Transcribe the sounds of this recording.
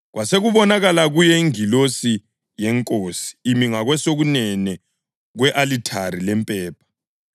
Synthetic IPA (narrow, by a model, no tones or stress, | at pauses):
ɣwaseɣuβɔnaɣalaɣujɛiŋilosi | jɛŋkʼoːsi̥ːmiŋaɣwɛsoɣunɛnɛ | ɣwɛʔalitʰaɾilɛmpʼɛːpʰḁ